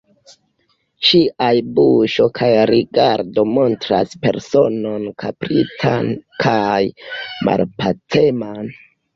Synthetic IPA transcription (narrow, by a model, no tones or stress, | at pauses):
ʃiʔajbuʃo̞kʰajɾiɡaɾdo̞mo̞ntɾa̰spe̞̰ɾso̞no̞nkʰapɾitʰankʰajma̰lpat͡se̞man